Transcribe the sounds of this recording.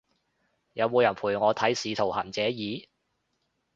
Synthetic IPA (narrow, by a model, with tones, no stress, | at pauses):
jɐ˨˧wmuː˨˧jɐ˨˩npʰuː˨˩jŋɔː˨˧t̪ʰɐ˨˥jsiː˨˧t̪ʰo˨˩whɐː˨˩nt͡sɛː˨˥jiː˨˧